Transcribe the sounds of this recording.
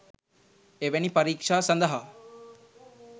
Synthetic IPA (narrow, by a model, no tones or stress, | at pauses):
eʋenipɐɾiːkʂaːsɐnd̪ɐɦa